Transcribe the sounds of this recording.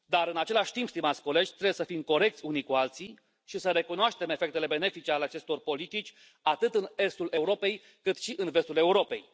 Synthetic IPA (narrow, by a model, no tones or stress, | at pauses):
d̪aɾɨnat͡ʃe̞laʃʲt̪impst̪imat̪sʲko̞le̞d͡ʒʲt̪ɾebjesəfimko̞ɾe̞k̚t̪sʲunikualt̪sij | ʃisəɾe̞kunoaʃt̪e̞me̞fekt̪e̞le̞be̞ne̞fit͡ʃealeat͡ʃe̞st̪o̞rpo̞lit̪it͡ʃʲ | at̪ɨt̪ɨne̞st̪ulʔe̞uɾo̞pe̞j | kɨt̪ʃiʔɨnve̞st̪ule̞uɾo̞pe̞̰j